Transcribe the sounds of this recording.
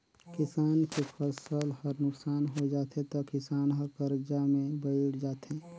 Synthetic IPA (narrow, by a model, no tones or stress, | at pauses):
kɪsaːnkefʰəsəlhəɾnʊksaːnɦod͡ʒaːt̪ẽt̪okɪsaːnɦəɾkəɾd͡ʒamẽbəɪɽd͡ʒaːt̪ɦẽː